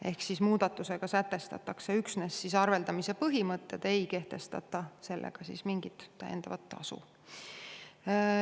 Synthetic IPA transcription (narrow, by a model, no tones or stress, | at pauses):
e̞hksismuːd̪̥ɑt̪ːˑuse̞ɡ̥ɑsæt̪ːe̞st̪ɑ̰t̪ːˑɑkse̞yksnesːisɑrve̞ld̪ɑmise̞pɤɦimɤt̪ːe̞d̪̥e̞jke̞ht̪e̞st̪ɑt̪ːˑɑse̞lːʔḛɡ̥ɑsḭsmiŋɡ̥it̪ːæ̰jend̪̥ɑvɑt̪ːɑ̰sṵ